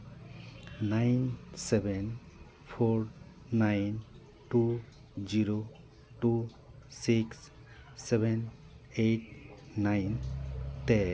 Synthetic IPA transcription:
najnsɛbʱen | pʰoɾ | najn | tu | ziɾo | ʈu | siksː | ɛben | ejt̚najnte

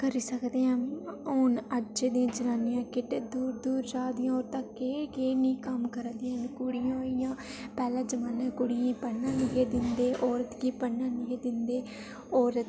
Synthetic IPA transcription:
kəɾiːsəkd̪eːãːoːnəd͡ʒed̪ĩãːd͡ʒənaːnjãːkɪʈeːd̪uːɾd̪uːɾd͡ʒaːd̪ɪjãːoːɾt̪ãːkeːkeːnĩːkəmkəɾd̪iːnkʊɽɪjãːoijãːpɛːlãːd͡ʒəmaːnãːkʊɽɪjãːpənːãːnɪɡeːd̪ɪnd̪eːʔɔːɾət̪ɡiːpənːãːnɪɡeːd̪ɪnd̪eː | ɔːɾət̪

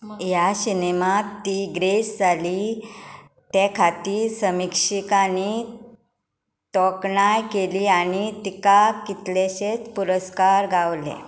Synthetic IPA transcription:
jasinemat̪ːiɡɾesd͡zʱaliː | t̪ɛkʰat̪iːsəmikʂikani | t̪ɔkɳajkeliañit̪ikakːit̪leɕet͡spuɾəskaɾɡʱaʋlḛ

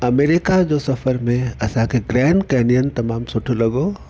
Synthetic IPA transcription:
ɐmeːɾɪkad͡ʒosɐfəɾmẽɐsakeɡɾɛːɳɖkɛːnijənt̪ɐmaːmsoʈʰolɐɡoː

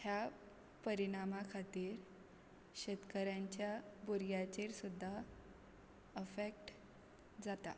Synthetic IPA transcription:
hja | pəɾiɳ̃amakʰat̪iːɾ | ɕet̪kəɾjaɲt͡ɕjabuɾɡjat͡ɕeɾsud̪ʱːa | əfek̚ʈ | d͡zat̪a̰

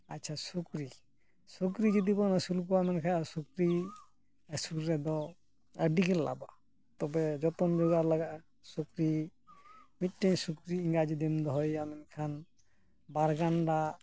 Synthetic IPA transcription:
a̰tːʃʰasukɾi | sukɾid͡ʒɔd̪ibɔnasulkuamɛnkʰasukɾi | əsulɾɛd̪ɔ | əɖikella̰ba̰ | t̪ɔbɛd͡ʒɔt̪ɔnd͡ʒɔɡalaɡa | sukɾi | miʈːensukɾiiŋɡad͡ʒid̪emd̪ɔɦɔjamɛnkʰan | baɾɡaɳɖa

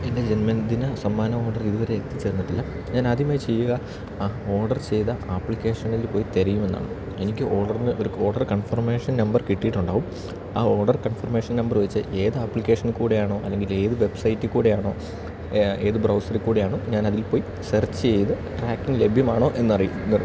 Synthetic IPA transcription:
e̞nde̞d͡ʑenmɐnd̪inɐsɐmːaːnɐo̞ːɖɐriðuʋɐɾeekt̪ːit͡ɕːe̞ːɾrnːiʈːilːɐ | ɲaːnɐd̪imaːjt͡ɕe̞jːuɣɐ | o̞ːrɖɐrt͡ɕe̞jðɐʔaːpːlikʲːe̞ːʂɐnilipo̞ːjit̪eɾɐjume̞nːa̰ːɳɨ | e̞nikʲːɨʔo̞ːrɖɐrnɨʔo̞ɾuo̞ːrɖɐrkɐɳfɐrme̞ːʂɐnnɐmbɐrkiʈːijiʈːuɳɖaːʋum | aːo̞ːrɖɐrkɐɳfɐrme̞ːʂɐnnɐmbɐrʋɐt͡ɕːɨʔe̞ːðɨaːpːlikʲːe̞ːʂɐnkuːɽejaːɳo̞ːʔɐlːe̞ŋɡile̞ːðɨʋe̞bsɐjtːɨkuːɽejaːɳo̞ː | e̞ːðɨbrɐwsɐrikːuːɽejaːɳoːɲaːnɐðilpo̞ːji | sɐrt͡ɕːɨt͡ɕe̞jt̪ɨ | ʈraːkːiŋɡle̞bʱjɐmaːɳo̞ːʔe̞nːɐrijuːɐr

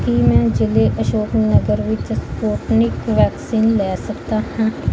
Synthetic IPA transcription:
kimɛ̃ːd͡ʒɪleʔəʃoːpnəɡəɾʋɪt͡ʃspoːʈnɪkʋɛːksiːnlɛːsɐkt̪ahɛ̃

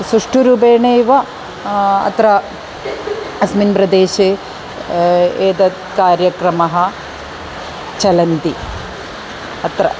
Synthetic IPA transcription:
sɾuʂʈuɾuːbeːɳeːʋɐ | ɐ̰t̪ɾɐ | ɐsminpɾɐd̪eːʃeː | eːd̪ɐ | kaːɾjɐkɾɐmɐɦɐ̆ | t͡ʃɐlɐnt̪i | ɐt̪ɾɐ̰

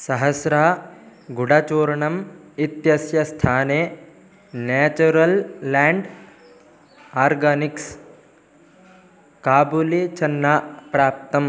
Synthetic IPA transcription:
sɐɦɐsɾaːɡuɽɐt͡ʃuːɾɐɳɐmit̪jɐsjɐst̪ʰaːneː | neːt͡ʃuɾɐlːaːɳɖ | aːɾɡɐniks | kaːbulit͡ʃɐnːapɾaːp̚t̪ɐm

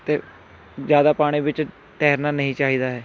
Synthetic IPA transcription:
t̪eː | zjaːd̪aːpaːɽ̃ĩːbɪt͡ʃ | ʈɛːɾnaːnəɦĩːt͡ʃaːɦiːd̪aːɦɛː

